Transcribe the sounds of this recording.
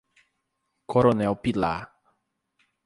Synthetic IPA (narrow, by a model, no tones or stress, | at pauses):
kʰoɾonɛwpila̰